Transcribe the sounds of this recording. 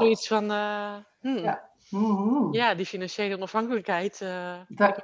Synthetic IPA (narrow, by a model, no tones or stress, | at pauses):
oisfɔn | m̩ | jadifinansjejləonɔfhaŋkələkhɛjtə